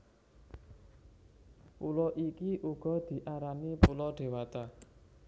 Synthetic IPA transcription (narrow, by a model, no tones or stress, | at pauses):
pulɔʔikiʔuɡ̥ɔ̤d̪̥i̤ʔaɾanipulɔɖ̪̥e̤wat̪a